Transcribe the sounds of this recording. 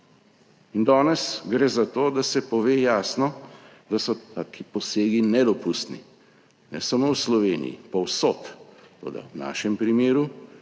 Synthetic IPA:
ind̪ɔːnɛsɡɾeːzat̪oːd̪asɛpɔʋeːjaːsnɔ | d̪asɔt̪aːkʰipɔseːɡinɛd̪ɔpust̪nḭ | nɛ̰samowslɔʋeːnḭjḭpɔwsot̪t̪o̰ːd̪a̰wna̰ːʃɛmpɾimeːɾu

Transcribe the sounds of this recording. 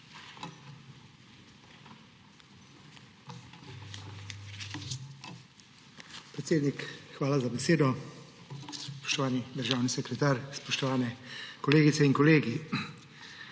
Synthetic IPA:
pɾɛt̪seːd̪nikxʋaːlazabɛseːd̪ɔ | pɔ̥ʃt̪ɔʋaːnid̪əɾʒaːwnisɛkɾɛt̪aːɾspɔʃt̪ɔʋaːnɛkɔleːɡit̪sɛiŋkɔleːɡi

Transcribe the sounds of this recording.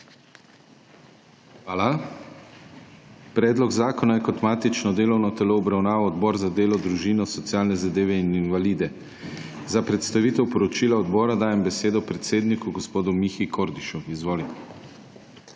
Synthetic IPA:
xʋaːla | pɾɛːd̪lɔɡzaːkɔnajɛkɔt̪maːt̪it͡ʃnɔd̪eːlɔwnɔt̪ɛloːbɾawnaːʋɔɔd̪bɔːɾzad̪eːlɔd̪ɾuʒiːnɔsɔt̪siaːlnɛzad̪eːʋɛininʋaliːd̪ɛ | zapɾɛt̪st̪aʋiːt̪ɛwpɔɾɔt͡ʃiːlaɔd̪bɔːɾad̪aːjɛmbɛseːd̪ɔpɾɛt̪seːd̪nikuɡɔspoːd̪umixikʰoɾd̪iʃuizʋoːlit̪ɛ

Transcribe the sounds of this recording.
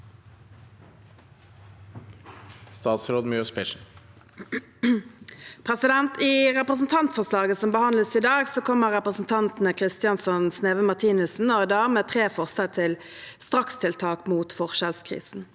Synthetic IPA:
st̪ɑːt̪sɾoːd̪mɔspʰɛʃn̩ | pʰʁɛsɪd̪ɛnt̪iʁɛpʁəsn̩t̪ʰɑnt̪fɔʁslɑːɡəsɔmbəhɑnləsɪd̪ɑːɡsoːkʰɔmːəʁɛpʁəsn̩t̪ʰɑnt̪n̩əkʰʁɪst̪ɪjɑnsɔnsneːʋəmɑʁt̪ʰiːnʉsn̩ɔɪd̪æːʁmeːt̪ʰʁeːfɔʁsəlt̪ʰɪl | st̪ʁɑkst̪ʰɪlt̪ʰɑːkmuːt̪fɔʁʃəlskʰʁḭːsn̩

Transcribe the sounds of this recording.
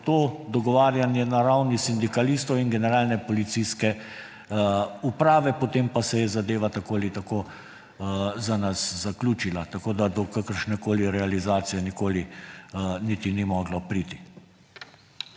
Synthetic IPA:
t̪oːd̪ɔɡɔʋaːɾjanjɛnaɾawnisind̪ikalist̪ɔwinɡɛnɛɾaːlnɛpɔlit̪siskɛ | upɾaːʋɛpot̪empasɛjɛzad̪eːʋat̪akoːalit̪akoː | zanaszaklʲuːt͡ʃilat̪akoːd̪ad̪ɔkakəɾʃnɛkoːliɾɛalizaːt̪sijɛnikoːli | niːt̪inimɔːɡlɔpɾit̪i̥

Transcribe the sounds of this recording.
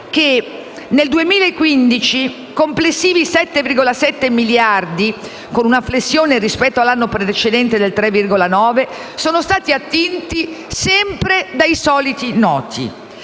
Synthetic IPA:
k̟e | neld̪uemiːlaekːwind̪it͡ʃi | komplesːiːvisɛt̪ːevirɡolasɛt̪ːemiljard̪i | konunaflesːjoːnerispɛt̪ːoalːanːopɾed̪et͡ʃed̪ɛnt̪ed̪elt̪ɾɛvːirɡolanɔːve | soːnost̪aːt̪iat̪ːint̪isɛmpɾed̪ajsɔːlit̪inɔːt̪ʰḭ

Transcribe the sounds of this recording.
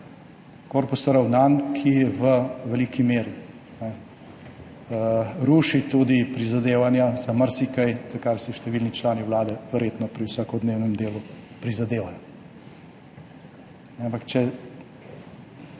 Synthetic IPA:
koːɾpusɾawnaːnkʰijɛʋəʋɛliːkimeːɾi | nɛ | ɾuːʃit̪ud̪ipɾizad̪eːʋanjazaməɾsikajz̥akaɾsɛʃt̪ɛʋilnit͡ʃlaːniwlaːd̪ɛʋɛɾjeːt̪nɔpɾiwsaːkɔd̪neːwnɛmd̪eːlupɾizad̪eːʋajɔ | nɛampakt͡ʃɛ

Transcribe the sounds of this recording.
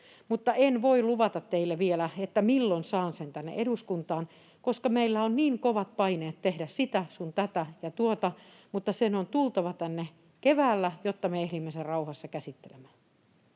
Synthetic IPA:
mut̪ːɑʔenʋoiluʋɑt̪ɑt̪teilːeʋielæet̪ːæmilːonsɑːnsent̪ænːḛʔeɾuskunt̪ɑːn | koskɑmeilːæonniːŋkoʋɑt̪̚pɑineːt̪t̪ehdæssit̪æsunt̪æt̪æjɑt̪uot̪ɑ | mut̪ːɑsenont̪ulˠt̪ɑʋɑt̪ænːe | keʋæːlːæjot̪ːɑmeehɾimːeserrɑuhɑsːɑkæsit̪ːelḛmæː

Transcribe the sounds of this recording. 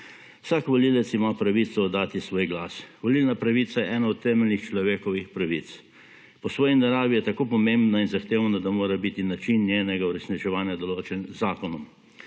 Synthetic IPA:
wsakʋɔlilɛt̪simapɾaʋit̪sɔːd̪ːaːt̪isʋoːjɡlaːsʋɔlilnapɾaʋiːt̪sajɛʔɛːnaɔt̪ːɛːmɛlnixt͡ʃlɔʋeːkɔʋixpɾaʋit̪s | pɔsʋɔːjinaɾaːʋijɛt̪akoːpɔmẽmbnainzaxt̪eːwnad̪amoːɾabit̪inat͡ʃinːjeːnɛɡauɾɛsnit͡ʃɛʋaːnjad̪ɔloːt͡ʃɛnzaːkɔnɔm

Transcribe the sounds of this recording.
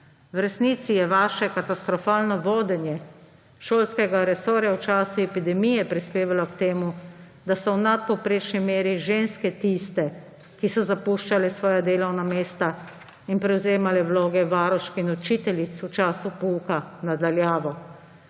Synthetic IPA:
wɾɛsniːt̪sijɛʋaːʃɛkat̪ast̪ɾɔfaːlnɔʋoːd̪ɛnjɛ | ʃoːlskɛɡaɾɛsoːɾjawt͡ʃaːsuɛpid̪ɛmijɛpɾispeːʋalɔkt̪eːmu | d̪asɔwnat̪̚pɔwpɾeːt͡ʃnimeːɾiʒeːnskɛt̪ist̪ɛ | kisɔzapuːʃt͡ʃalɛsʋɔːjad̪eːlɔwnameːst̪a | inpɾɛwzeːmalɛwloːɡɛʋaːɾɔʃkinɔt͡ʃiːt̪ɛlit̪sut͡ʃaːsupuːkanad̪aljaːʋɔ

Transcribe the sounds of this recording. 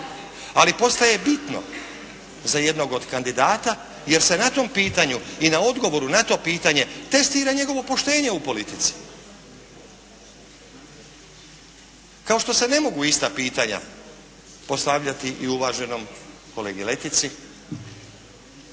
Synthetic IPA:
alipo̞st̪aje̞bit̪no̞̰ | zaje̞d̪no̞ɡo̞d̪kand̪id̪aːt̪a | je̞ɾse̞nat̪o̞mpiːt̪aɲuinao̞d̪ɡo̞ʋo̞ɾunat̪o̞ːpiːt̪aɲe̞t̪e̞st̪iːɾaɲe̞ɡo̞ʋo̞po̞ʃt̪e̞ːɲe̞upo̞lit̪it̪si̥ | kao̞ʃt̪o̞se̞ne̞mo̞ɡuist̪apiːt̪aɲa̰ | po̞st̪aʋʎat̪iʔiuʋaːʒe̞no̞m | ko̞leːɡile̞t̪it̪si

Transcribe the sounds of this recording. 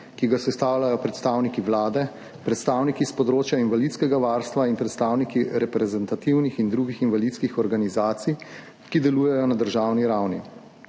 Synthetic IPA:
kiɡasɛst̪aːwlʲajɔpɾɛt̪st̪aːwnikiʋlaːd̪ɛ | pɾɛt̪st̪aːwnikispɔd̪ɾoːt͡ʃjainʋalit̪skɛɡaʋaːɾst̪ʋainpɾɛt̪st̪aːwnikiɾɛpɾɛzɛnt̪at̪iwnixind̪ɾuɡixinʋalit̪skixɔɾɡanizaːt̪sij | kid̪ɛluːjɛjɔnad̪əɾʒawniɾawni

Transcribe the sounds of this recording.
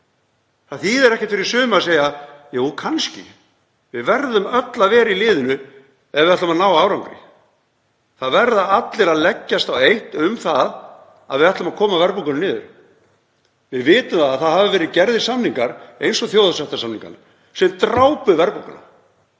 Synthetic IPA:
θaθiðɛɾɛhcɪ̥t̪fɪɾɪɾisʏːmaðseːjajuːkʰanscɪ̰ | vɪðvɛɾðʏmœt̪laðvɛːɾilɪːðʏnʏ | ɛðvɪðɛt̪ʏmaðnaːwaaːwɾawŋkɾɪ̰ | θaðvɛɾðaat̪lɪɾaðlɛcːast̪awejht̪ʏmθað | a̰ðvɪðaht̪lʏmaðkʰɔːmavɛɾpukanʏnɪːðʏ̰ɾ̥ | vɪðvɪːt̪ʏmθaðaðθaðhavɪvɛːɾɪðcɛɾðɪsamniŋkaɾ̥ejnsɔθjoːwðasɛht̪asamniŋka̰n | sɛmt̪ɾaːwpʏvɛɾpuka̰na̰

